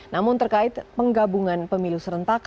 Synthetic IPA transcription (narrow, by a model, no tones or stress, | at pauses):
namʊnt̪ərkaɪt̪̚pəŋɡabuŋanpəmilusəɾənt̪ak